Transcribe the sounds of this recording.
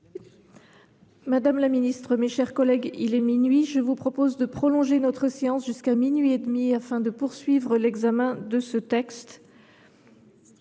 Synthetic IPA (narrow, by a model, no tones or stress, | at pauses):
mad̪amlaminist̪χəmeʃɛʁkɔlɛɡḭlɛminɥiʒəvupχɔpozd̪əpχɔlɔ̃ʒenɔt̪χəseɑ̃sʒyskaminɥied̪miafɛ̃d̪əpuʁsɥivʁəlɛɡzamɛ̃d̪əsət̪ɛkst̪